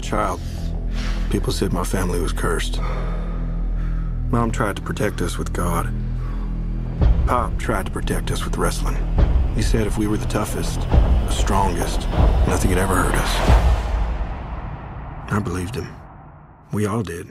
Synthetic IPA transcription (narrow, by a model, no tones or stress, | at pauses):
t͡ʃʰaɪlˠd̚ | pʰipl̩ˠsɛd̚maɪfæ̃mliwʌz̥kʰɜ˞st | mɑ̃mtʰɹ̥aɪd̚tʰə̥pʰɹ̥ɨtʰɛk̚tʌswɨð̥ɡ̥ɑd̥ | pʰɑp̚tʰɹ̥aɪd̚tə̥pʰɹ̥ɨtʰɛk̚tʌswɨðɹɛslɪ̰̃ŋhisɛɾɨfwiwə˞ðɨtʰʌfɨstðəstɹ̥ɔ̃ŋɡɨ̰stnʌθɪ̃ŋɨɾɛvə˞hɜ̰˞ɾʌs | aɪbəlivd̚ɨ̃m | wiɔlˠdɪd̥̚